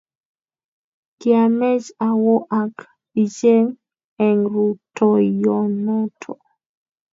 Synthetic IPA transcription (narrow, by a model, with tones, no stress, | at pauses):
kɪa˨mɛ˦d͡ʒa˨wɔ˦ʔa˨k | i˨d͡ʒe˦ŋ | ɛ˨ŋɾu˨tɔ˨jɔ˨nɔ˦tʰɔ